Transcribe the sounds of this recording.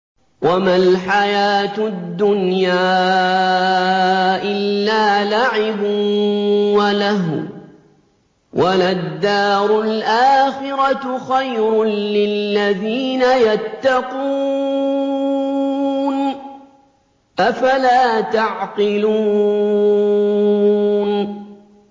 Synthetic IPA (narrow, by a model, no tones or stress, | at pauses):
wʔamalħajaːt̪ʊd̪ːʊnjaː | ʔɪlːaːlaʕɪbʊ | walaɦ | wʔalad̪ːaːɾʊlʔaːxɪɾat̪xajɾʊːɪlːaðiːnajat̪ːɑquː | n | ʔafalaːt̪aʕqɪluː | n